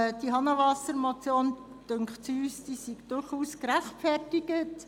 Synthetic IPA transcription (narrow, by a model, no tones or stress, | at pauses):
d̥iɦɑnəʋɑsəɾmot͡sjoːn | d̥ʏŋkχtt͡syːsd̥iːsiɡd̥ʊɾχuːskɾæχtfɛrtɪɡət